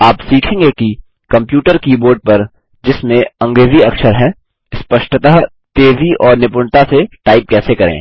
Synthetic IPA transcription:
aːpsiːkʰẽːŋɡeki | kɐ̃mpjuːʈəɾkiːboːɾɖ̚pɐɾ | d͡ʒɪsmẽɐ̃ŋɡɾeːziɐkʃəɾɦɛ̃ | ɪspəʃʈət̪aɦ | t̪eːziʔɔːɾnɪpʊɳt̪aseʈaːɪp̚kɛːsekɐɾḛ̃ː

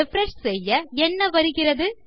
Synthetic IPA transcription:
ɛfɾɛʂsɛjːɐɛnːɐʋɐɾɯɣɪrɐðɯ

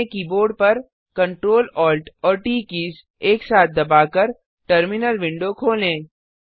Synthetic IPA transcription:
ekiboːɾɖpɐɾ | kɐ̃ɳʈɾoːlɔːlʈɔːɾʈiːkiːs | eːksaːt̪̚ʰd̪ɐbaːkəɾ | ʈəɾmɪnəlʋɪ̃ɳɖokʰoːlẽː

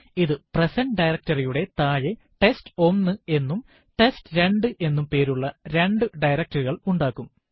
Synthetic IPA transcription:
iðɨpresɐɳɖɖɐjɾɐk̚tɐrijuɽe̞t̪aːje | ʈe̞sto̞mnːɨe̞nːum | ʈe̞stɨɾe̞ɳɖɨʔe̞nːumpe̞ːɾuɭːɐɾe̞ɳɖɨɖɐjɾɐk̚tːɐruɣɐɭuɳɖaːkːum

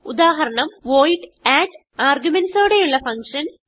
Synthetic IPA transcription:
ud̪aːɦɐɾɐɳɐmʋoːjʈːaːʈː | aːrɡjumensoːɽe̞juɭːɐfɐŋkʂɐn

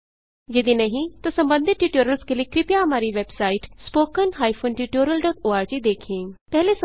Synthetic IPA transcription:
jɐd̪inɐɦĩt̪osɐ̃mbə̃nd̪ʱɪt̪ʈiːʈoːɾjəlskeliekɾɪpijaɦɐmaːɾiʋeːbsaːɪʈspoːkənɦaːɪfʰoːnʈiʈoːɾjəlɖɔːʈoːaːɾd͡ʒid̪eːkʰẽːpɛɦles

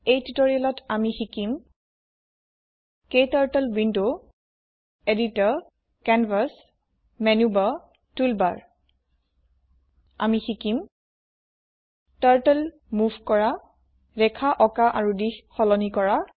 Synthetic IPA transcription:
ejtutoɹialɔtamixikim | kejtaɹtɛlwindo | editɔɹ | kɛnvas | mɛnuba | tulbaɹ | a̰mixikim | taɹtɛl | muvkɔɹa | ɹɛkʰaʔɔkaʔaɹudixxɔlɔnikɔɹa

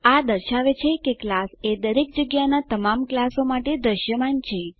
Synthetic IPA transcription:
ad̪əɾʃaʋet͡ʃʰekeklased̪əɾek̚d͡ʒəɡjanat̪əmamklasomaʈed̪ɾəʃjəmant͡ʃʰe

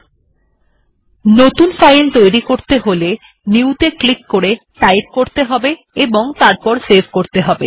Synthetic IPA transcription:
not̪unsajnt̪ojɾikoɾt̪eɦole | niut̪eklikːoɾe | ʈajʈ̚koɾt̪eɦɔbe | eboŋt̪aɾpɔɾsebkoɾt̪eɦɔbe

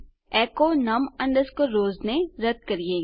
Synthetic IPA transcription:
ɛːkonɐmɐ̃ɳɖəskoɾoːznẽɾɐd̪̚kɐɾieː

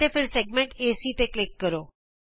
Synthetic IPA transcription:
efeɾseɡ̚mẽɳʈesit̪eklɪkːəɾo

